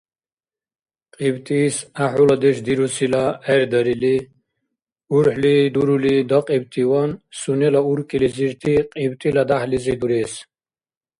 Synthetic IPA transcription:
qʼibt̪ʼiːsaħulad̪eʂd̪iɾusʰilaeɾd̪ɐɾili | uɾħlid̪uɾulid̪ɐqʼibt̪ʼiwansunelauɾkʼiliziɾt̪ʰiqʼibt̪ʼilad̪aħlizid̪uɾeːs

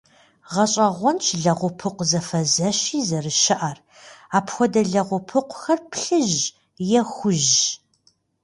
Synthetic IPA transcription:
ʁɐɕʼɐʁʷɔnt͡ʃʰʼɮɐʁʷʊpʰɨqʷzɐfɐzɐɕiːzɐrɨʃɐʔar | aːpʰxʷɔdɐɮɐʁʷʊpʰɨqʷʊxɐrpʰɬɨʑ | jɛxʷʊʒ

